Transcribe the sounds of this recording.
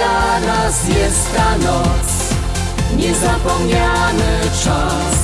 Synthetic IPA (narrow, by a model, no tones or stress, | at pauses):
aɾasjɛst̪k̪anɔt̪s | ɲɛzapɔmɲanɘ | t͡ʂa | s